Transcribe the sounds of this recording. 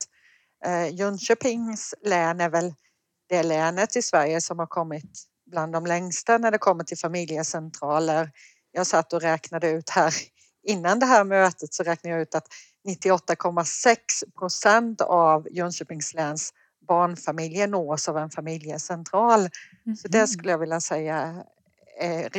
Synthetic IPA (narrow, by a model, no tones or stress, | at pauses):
jɵnɕœpɪŋslɛːnæɾvɛl | d̪̥ɛlɛːnət̪ʰːɪsvæɾjəsɔmhaɾkʰɔmːɪt̪ | bland̪ːɔmlɛŋst̪anæɖɛkʰɔmːəʈʰɪlfamɪljəsɛnt̪ʰɾɑːləɾ | jɑːsat̪ːɔɾɛːknad̪əʉ̟ːt̪hæːɾ | ɪnːand̪ɛɦæːɾmøːt̪ət̪sɔɾɛːk̚naɾjɑʉ̟ːt̪at̪ | nɪt̪ːɪɔt̪ːakʰɔmːasɛkspʰɾʊsɛnt̪avjœnʃʉːpɪŋslɛːns | bɑːɳfamɪljənoːsavɛnfamɪljəsɛnt̪ʰɾɑːl | sɔd̪ɛʂkɵlːəjɑːɡvɪlːasɛjːa